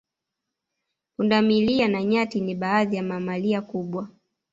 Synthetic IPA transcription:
pundamilianaɲatiniɓaːðijamamaliakuɓwa

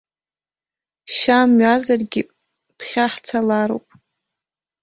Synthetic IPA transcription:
ʃamɥazarɡʲi | pʰχʲaħt͡sʰalaɾo̰wpʼ

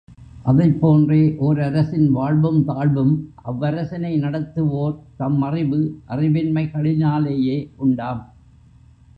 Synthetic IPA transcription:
ʔɐðɐɪpːoːndreːʔɔɾɐɾɐsɪnʋaːɻʋɯmt̪aːɻʋɯmʔɐʋːɐɾɐsɐnɐɪnɐɽɐt̪ːɯʋoːɾt̪ɐmːɐrɪʋɯʔɐrɪʋɪnmɐɪɣɐɭɪnaːleːjeːʔʊɳɖaːm

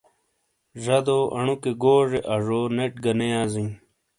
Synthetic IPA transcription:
ʐɐd̪oːʔɐ̰ɳukeɡoːʐeʔɐʐoːneʈ̚ɡɐnejaːziŋ

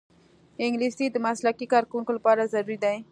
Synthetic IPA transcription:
ɪŋɡlisid̪əmaslakikɑɾkwuŋkolapɑɾazaɾuɾid̪aj

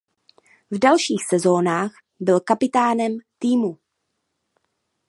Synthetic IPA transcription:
vdalʃiːxsɛzo̞ːnaːx | bɪlkapɪt̪aːnɛmt̪iːmu

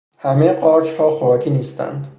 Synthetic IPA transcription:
hæmejɢɒːɾt͡ʃhɒːxoɾɒːkʰiːniːst̪æ̰nd̪

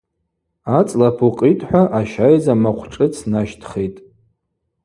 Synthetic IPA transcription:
at͡sʼlapʰuqʼitʼħʷᶣaʔaʃajzamaqʷʰʈ͡ʂʼɨt͡sʰnaʃtʰχejtʼ

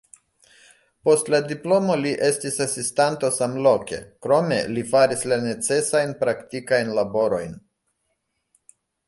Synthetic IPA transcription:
po̞stladiplo̞moliʔe̞stisasistanto̞samlo̞ke̞̰kɾo̞me̞̰lifaɾislane̞t͡se̞sajnpɾaktikajnlabo̞ɾo̞jn

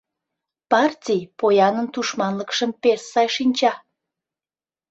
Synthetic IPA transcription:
pɑrtʲijpojɑnənt̪uʃmɑnləkʃəmpesːɑjʃinʲt͡ɕɑ

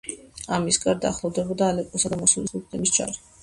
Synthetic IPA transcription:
amisɡaɾd̪aːχlˠɔvd̪ɛbɔd̪aːlɛpʼɔsad̪amɔsulisupʰt̪ʼɛmisd͡ʒa̰ɾi

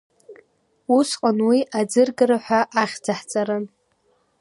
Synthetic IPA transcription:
usqʼanwiʔad͡zɨrɡɨɾaħʷᶣaʔaχʲd͡zaħt͡sʼaɾɨn

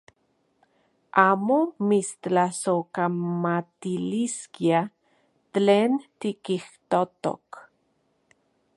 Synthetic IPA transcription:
aːmomistt͡ɬasokamat̪iliskia | t̪leːnt̪ikiht̪ot̪o̰k

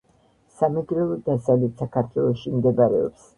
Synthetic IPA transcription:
samɛɡɾɛlˠɔd̪asavlɛt̪sakʰaɾt̪ʰwɛlˠɔʃimd̪ɛbaɾɛɔ̰ps

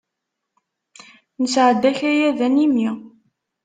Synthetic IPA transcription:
nəsʕəd̪ːæçæjæðænimi

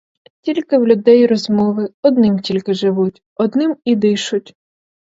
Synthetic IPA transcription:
tʲilʲkɪwlʲʊd̪ɛjɾɔzmɔʋɪɔd̪nɪmtʲilʲkɪʒɪʋutʲ | ɔd̪nɪmid̪ɪʃʊtʲ

